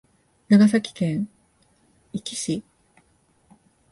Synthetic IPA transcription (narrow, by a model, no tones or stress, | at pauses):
naɡas̬akʲi̥kẽ̞ŋ̃ | ikʲiɕi